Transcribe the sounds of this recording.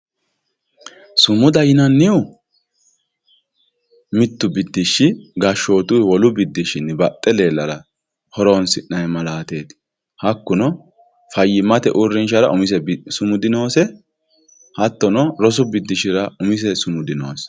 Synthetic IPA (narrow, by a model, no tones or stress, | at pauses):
sʊmʊd̪ɐjɪnɐnːɪʊ | mɪt̪ːʊbɪd̪ːɪʃːɪɡɐʃo̞ːt̪ʊjwɔlʊbɪd̪ːɪʃɪnːbɐt̪ʼːɛle̞ːlːɐɾɐ | hɔɾoːnsɪʔnɐjmɐlaːt̪e̞ːt̪ | hɐkːʊnɔ | fɐjːɪmɐt̪ɛʔʊrːɪnʃɐɾɐʔʊmɪsɛsʊmʊd̪ɪno̞ːsɛ | hɐt̪ːɔnɔɾɔs̬ʊbɪd̪ːɪʃɪɾɐʊmɪs̬ɛsʊmʊd̪ɪno̰ːs